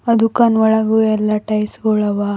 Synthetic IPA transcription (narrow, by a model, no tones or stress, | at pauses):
ɐd̪ʱukanʋɐɭɐɡuɛlːaʈɐjsɡɔɭɐʋa